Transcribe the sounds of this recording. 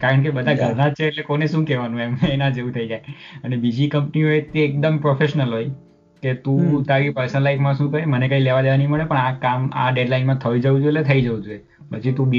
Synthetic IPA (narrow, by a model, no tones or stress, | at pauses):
kaɾəɳk̬ebəd̪ʱãɡʱəɾnat͡ʃʰeːtlekoneʃũkɛʋanũɦemenad͡ʒeʋũt̪ʰəid͡ʒajənebid͡ʒikəmpniɦojt̪eːk̚d̪əmpɾofʰeʃnəlɦoj | ket̪ũt̪aɾipəɾsənəlaifmãʃũːkəɾemənekaileʋad̪eʋaniməɭepəɳakama̰ɖeɖlainmãt̪ʰəʋid͡ʒəʋũd͡ʒuelet̪ʰəid͡ʒəʋũd͡ʒue | pət͡ʃʰit̪ũbi